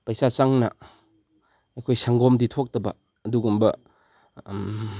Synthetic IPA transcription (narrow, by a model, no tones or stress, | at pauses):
pɐjsat͡ʃaŋnɐ | ɐjkʰojsaŋɡomditʰok̚tɐbɐ̰ | ɐduɡumbɐ